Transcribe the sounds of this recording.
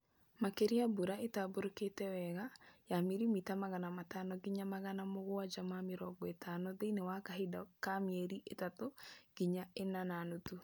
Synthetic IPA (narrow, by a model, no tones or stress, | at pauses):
makeɾiabuɾaetaboɾoketɛwɛɣajameɾimitamaɣanamatanɔɡiɲamaɣanamoɣwad͡ʒamameɾɔːɡɔetʰanɔðeinewakaɦedakamiɛɾiʔetatoɡ̥iɲaenananotu